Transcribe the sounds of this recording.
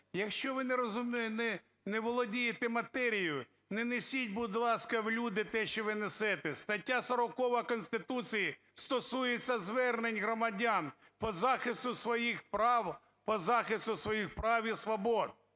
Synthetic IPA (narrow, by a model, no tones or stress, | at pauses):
jɐkʃt͡ʃɔʋɪneɾɔzʊmʲinɛ | nɛʋɔlˠɔdʲijet̪ɛmɐt̪ɛɾʲijʊ | nɛnesʲit̚ʲbʊd̪lˠɑskɐwlʲud̪ɪt̪ɛʃt͡ʃɔʋɪnesɛt̪ɛst̪ɐtʲːasɐɾɔkɔʋɐkɔnʲsʲt̪ɪt̪ut͡sʲiji | st̪ɔsujet͡sʲːɐzʋɛrnenʲɦɾɔmɐdʲan | pɔzɑxɪst̪ʊsʋɔjixpɾɑw | pɔzɑxɪst̪ʊsʋɔjixpɾɑʋʲisʋɔbɔd̪̚